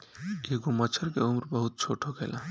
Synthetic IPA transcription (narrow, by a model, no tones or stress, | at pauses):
keɡomət͡ʃʰəɾkeumɾbəɦut̪̚t͡ʃʰoʈʰoɡelã